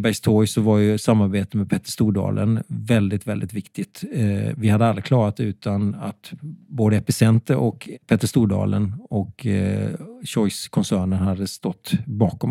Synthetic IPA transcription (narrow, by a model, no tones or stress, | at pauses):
bæɡst̪ʰɔɡsɔvaɾjɵsamːaɾbeːt̪əmɛpʰɛt̪ːə̥ʂt̪uːɖɑ̰ːlʔə̰nvɛld̪ɪt̪vɛld̪ɪt̪vɪkt̪ɪt̪vɪhad̪əalɾɪkʰlɑːɾat̪ʉ̟ːt̪anat̪boːd̪əɛpɪsɛnt̪əɾʔɔkpʰɛt̪ːəʂt̪uːɖɑ̰ːlənɔk | ɕɔjskʰɔnsæːɳənhad̪ːəst̪ɔt̪ːbɑːkɔm